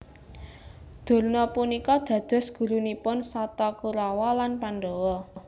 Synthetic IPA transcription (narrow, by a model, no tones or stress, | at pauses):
d̪̥o̤lnɔpunikɔd̪̥ä̤d̪̥ɔ̤sɡ̥ṳɾunipʊnsɔt̪ɔkuɾawɔlanpanɖowɔ